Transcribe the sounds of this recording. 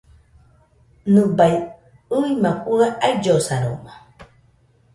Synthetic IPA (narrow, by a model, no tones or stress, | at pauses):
nɨbaj | ɨimakʼuaʔaid͡ʒosaɾoma